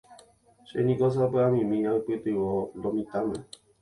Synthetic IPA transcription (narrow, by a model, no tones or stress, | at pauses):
ʃenĩkos̬apeamĩmĩaɨpɨt̪ɨwod̪omĩt̪amẽ